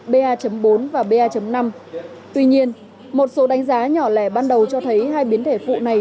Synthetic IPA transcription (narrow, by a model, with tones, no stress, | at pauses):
ɓe˧ʔaː˧t͡ɕə˨˦mɓo˨˦nvaː˨˩ɓe˧aː˧t͡ɕə˨˦mna˧mt̪wi˧ɲi˧ən | mo˨˩t̚so˨˦ɗa˨˦jŋ̟zaː˨˦ɲɔ˧˩lɛ˧˩ɓaː˧nɗə˨˩wt͡ɕɔ˧t̪ʰə˨˦jɦaː˧jɓi˨˦ənt̪ʰe˧˩fṵ˧˨na˨˩j